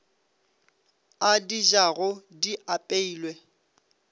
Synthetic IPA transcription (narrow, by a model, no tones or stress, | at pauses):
adiʒaɣʊdiʔapʼeiːlwɛ